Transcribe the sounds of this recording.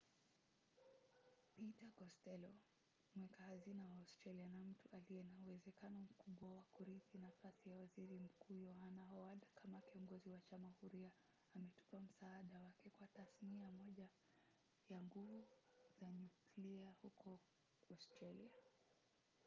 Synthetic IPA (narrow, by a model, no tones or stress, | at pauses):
pitaɡɔstɛlɔ | mwɛkahazinawaustɾalianam̩tuʔalijɛnauwɛzɛkanɔm̩kuɓwawakuɾiθinafasijawaziɾim̩kuːjɔhanaɦɔadkʰamakiɔŋɡɔziwat͡ʃamahuɾiaː | mɛtu̥pam̩saaɗawakɛkwatasniamɔʄa | jaŋɡuvuz̥aɲukliahukɔ | astɾalia